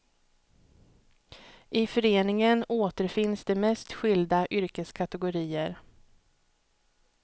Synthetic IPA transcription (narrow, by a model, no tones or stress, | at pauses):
ʔɪfœɾeːnɪŋənoːt̪əɾfɪnsd̪ɛmɛst̪ɧʏld̪aʔʏɾkəskʰat̪ɛɡʊɾiːəɾ